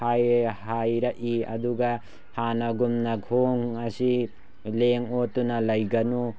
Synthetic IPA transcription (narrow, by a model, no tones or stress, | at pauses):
ajhajɾaʔiɐ̰duɡa | hanaɡumnaɡʰoŋɐsi | leŋotːunɐlɐjɡɐnu